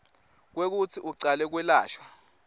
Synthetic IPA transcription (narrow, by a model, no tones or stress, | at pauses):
k̬wek̬ut͡sʰiʔuǀalɛk̬wɛlaːʃwa